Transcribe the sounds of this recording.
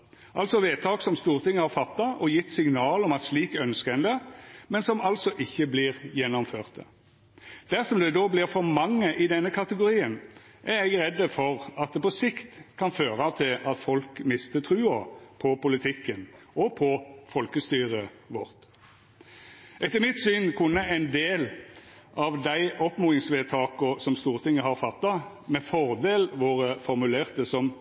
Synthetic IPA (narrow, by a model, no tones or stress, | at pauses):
ʔɑlsɔʋeːt̪ʰɑːksɔmst̪uːʁt̪ʰɪŋːəhɑʁfɑt̪ːɑʔɔjɪt̪ːsɪŋnɑːlɔmɑt̪sliːkœnskəɛnd̪ɛmɛnsɔmɑlsɔʔɪçːəblɪːʁjɛnːɔmføːʁt̪ə | d̪̥æʁsɔmd̪ɛd̪oːblɪʁfɔɾmɑŋːəʔɪd̪ɛnːəkʰɑt̪əɡʊɾiːən | ʔæɾɛɡɾɛd̪ːəfɔʁɑt̪̚d̪ɛpɔsɪkt̪kʰɑnføːʁɑʋt̪ʰɪlɑt̪fɔlkmɪst̪ət̪ʰʁʉːɑpʰɔpʊlɪt̪ʰɪkːən | ɔpʰɔfɔlkəst̪yːʁə | ʋɔ̰ʁt̪ | ɛt̪ːəmɪt̪syːnkʰʊnːəæɪnd̪eːl | ʔɑʋd̪æɪʔɔpmuːɪŋsʋeːt̪ʰɑːkʊsɔmst̪uːʁt̪ʰɪŋːəɦɑʁfɑt̪ːɑ | mɛfɔʁd̪eːlʋoːʁəfɔʁmʉleːʁt̪əsɔm